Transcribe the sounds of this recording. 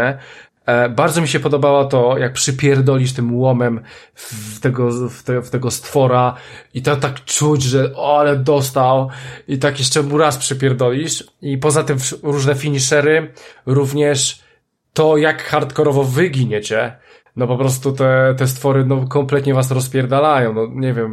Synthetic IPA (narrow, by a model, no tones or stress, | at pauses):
ɛ | baɾdzɔmʲiɕɛpɔd̪ɔbawɔt̪ɔjak̚pʂɨpʲjɛɾd̪ɔlʲiʂt̪ɘmwɔmɛm | t̪ɛɡɔft̪ɛft̪ɛɡɔst̪fɔɾait̪ɔt̪akt͡ʂud͡ʑʐɛɔalɛd̪ɔst̪awit̪akjɛʂt͡ʂɛmuɾaspʂɛpʲjɛɾd̪ɔlʲiʂ | ipɔzat̪ɘmɾuʐnɛfʲiɲiʂɛɾɘɾuvɲɛʂ | t̪ɔjakxaɾt̪kɔɾɔvɔvɘɡʲiɲɛt͡ɕɛ | nɔpɔpɾɔs̬t̪ut̪ɛt̪ɛs̬t̪fɔɾɘnɔkɔmplɛt̪ɲɛvas̬ɾɔspʲjɛɾd̪alajɔ̃w̃nɔɲɛvʲjɛm